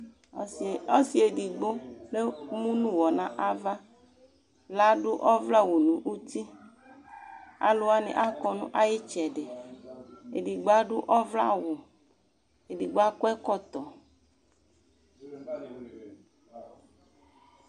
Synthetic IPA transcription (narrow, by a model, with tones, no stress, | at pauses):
o˦si˨e˨di˨ɡ͡bo˦le˦mũ˦nũ˦wɔ˨nã˦ʔa˦va˦ | la˦ɖʊ˦ʔɔ˦vla˦wu˨nũ˨ʔu˦t̪i˦ | a̰˨lo˦a˦nḭ̃˨ʔa˦kɔ˨nṵ̃˦ʔa˦je˦t͡ʃɛ˨ɖe˨ | e˨ɖi˨ɡ͡ba˦ɖʊ˦ʔɔ˦vla̰˦wo˨ | e˨di˨ɡ͡ba˦kɔ˦ɛ˦kɔ˦t̪ɔ˨